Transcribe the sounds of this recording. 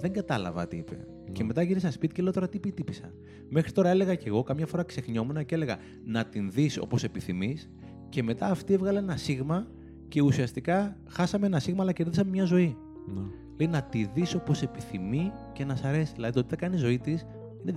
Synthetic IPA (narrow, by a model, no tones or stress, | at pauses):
ðeŋɡɐt̪ɐlɐ̰vɐ̰t̪iipe̞̰ | ceme̞t̪ɐʝiɾisɐspit̪icelet̪o̞ɾɐt̪ipit̪ipisɐ̰ | me̞xɾit̪o̞ɾɐe̞le̞ɣɐce̞ɣo̞kɐmɲɐfo̞ɾɐkse̞xɲo̞menɐcee̞le̞ɣɐ | nɐt̪inðiso̞̰po̞se̞piθimis | ce̞me̞t̪ɐːft̪ievɣɐlɐenɐsiɣmɐ | ce̞usiɐst̪ikɐ | xɐsɐmeenɐsiɣmɐːlɐceɾiðisɐmemɲɐzo̞i | n | le̞inɐt̪iðiso̞po̞se̞piθimice̞nɐsɐɾe̞siðilɐðit̪ot̪i̥t̪ɐkɐnizo̞it̪is | ine